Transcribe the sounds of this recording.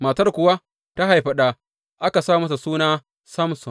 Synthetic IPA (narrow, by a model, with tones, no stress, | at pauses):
maː˨tɐ˦rkʷʊ˨wa˦ | ta˦ɦa˨jɸɐ˨ɗaː˦ | ʔa˦ka˨saː˦˨mɐ˦s̬a˨suː˦naː˦ | sɐ˦msɔ˨